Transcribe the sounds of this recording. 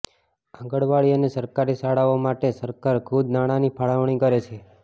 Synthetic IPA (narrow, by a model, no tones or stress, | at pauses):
ãɡəɭʋaɭiənesəɾkaɾisaɽaomaʈesəɾkaɾkʰud̪naɽ̃anipʰaɭaʋɳikəɾet͡ʃʰe